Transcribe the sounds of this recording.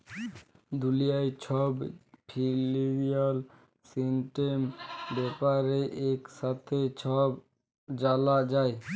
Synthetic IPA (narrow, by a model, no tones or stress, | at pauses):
d̪ulijajt͡ɕʰɔbpʰiliɾial | sinʈembɛpaɾeʔekʃat̪ʰet͡ɕʰɔb | d͡ʑalad͡ʑae